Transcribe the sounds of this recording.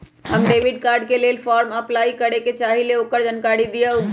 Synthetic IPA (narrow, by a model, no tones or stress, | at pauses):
ɦəmɖeʋɪɖkaːɾɖ̚kelelfʰɔɾməplaːikəɽeket͡ʃaːɦileoːkəɾd͡ʒənkaɾid̪ijə